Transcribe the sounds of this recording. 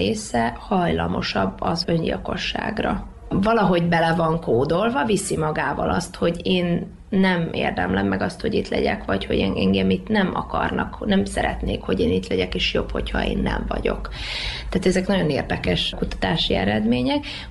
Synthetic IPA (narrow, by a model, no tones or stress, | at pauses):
eːsɛhɒjlɒmo̞ʃɒbːɒzø̞ɲɟḭlko̞ʃːa̰ːɡrɒ | vɒlɒɦo̞ɟbɛlɛvɒŋkoːd̪olvɒvisimɒɡaːvɒ̰lʔɒst̪ho̞ɟeːnː | ɛmḛːrd̪ɛmlɛmːɛɡɒst̪ho̞ɟit̪lɛɟɛkʋɒcho̞̰ɟɛŋɛŋɡɛmit̪nɛmɒkɒrnɒknɛmsɛɾɛt̪neːkho̞ɟeːnit̪lɛɟɛkeːʃjo̞pho̞chɒḛːnːɛ̰ɱvɒɟo̞kt̪aːt̪ɛzɛknɒɟo̞neːrd̪ɛkɛʃkut̪ɒ̥t̪aːʃiɛɾɛd̪meːɲɛk